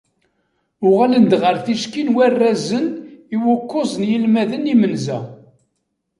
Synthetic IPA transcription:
ʊʁælənd̪ʁəɾθiʃkinwærːæzəniwʊkːʊzˤənjəlmæðənimənzæ

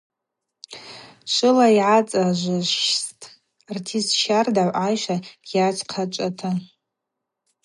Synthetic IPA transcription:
ʂʷɨlaiʕat͡sʼaʒʷaʃʃstʼ | rtʰisʃardaʕʷʕajʃʷaɡ̥jat͡ʃʷʰʼqʰat͡ʃʷʼatʰa

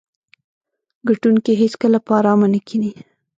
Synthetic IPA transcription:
ɡaʈunkeɦeskəlapɑɾɑmanəkʰini

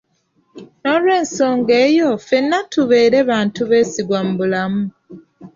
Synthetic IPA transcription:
no̞lwe̞ːnso̞ːŋɡe̞ːjo̞fe̞nːatuβe̞ːɾe̞βaːntuβe̞ːsiɡwam̩bulamu

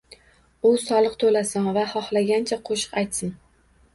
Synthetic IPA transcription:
ʊsɒlˠɨqt̪ʰolasanvahɒhlaɡʲant͡ʃʰaqʰoʃɨ̥qajt̪sɪn

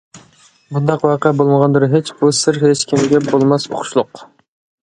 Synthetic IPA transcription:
bund̪ɑqwɑqəɛbolˠməʁɑnd̪ɨɾɦet͡ʃbusɨɾɦet͡ʃkʲʰimɪɡʲɛbolˠmɑso̰χʰʊ̥ʃlˠʊq

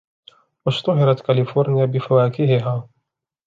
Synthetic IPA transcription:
waʃt̪ʊɦɪɾˤɑt̪kalɪfoːɾnɪjabɪfawaːkɪhɪɦaː

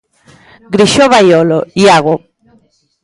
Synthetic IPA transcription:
ɡɾiʃoβajolojaɣo

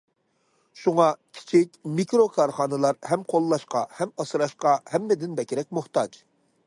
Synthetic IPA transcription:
ʃuŋɑkʲʰi̥t͡ʃʰɪkʲmikɾokʰɑɾχɑnɨlˠɑɾhɛmqʰolˠːɑʃqɑhɛmɑsɨɾɑʃqɑhɛmːɪd̪ɪnbɛkʲɪɾɛk̚ʲmuht̪ɑd͡ʒ

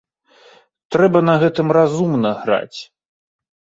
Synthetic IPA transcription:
t̪ɾɛbɐnɐɣɛt̪ɨmrazumnɐɣɾa̰t͡sʲ

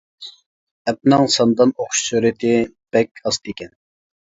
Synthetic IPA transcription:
ɛp̚nɨŋsɑnd̪ɑnoχʃsyɾɨt̪ʰɪ | b̥ɛkʲɑst̪ekʲɛn

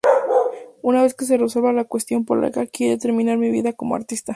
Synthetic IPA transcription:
unaβe̞ske̞s̬ereselβalakwe̞st̪jo̞mpola̰kakjeɾet̪e̞ɾmĩnaɾmiβḭðako̞moa̰ɾt̪ist̪a

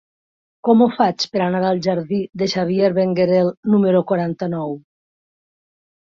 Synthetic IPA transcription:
kɔmufat͡ʃpəɾanaɾalˠʒaɾðid̪eʃaβ̞jeɾβeŋɡeɾelnumeɾokwaɾant̪anɔw

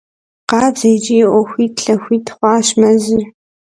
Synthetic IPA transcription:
qɑːbzɐjd͡ʒʼijʔʷɔxʷiːtɬɐxʷiːtχʷɑːɕmɐzɪ

